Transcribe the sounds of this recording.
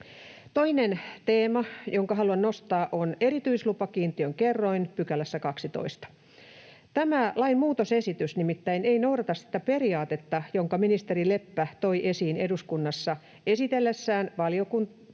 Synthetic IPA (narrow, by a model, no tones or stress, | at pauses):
t̪o̞inent̪eːmɑjoŋkɑɦɑluɑnnost̪ɑːʔone̞ɾit̪yislupɑkiːnt̪iøŋkerːoinpykælæsːækɑksit̪o̰ist̪ɑ̥ | t̪æmælɑinmuːt̪osesit̪ysnimit̪ːæineinouɾɑt̪ɑssi̥t̪ːæpe̞riɑːt̪et̪ːɑjoŋkɑminist̪eɾile̞pːæt̪oiʔe̞siːneduskunːɑsːɑ | e̞sit̪elːesːæːnʋɑliokun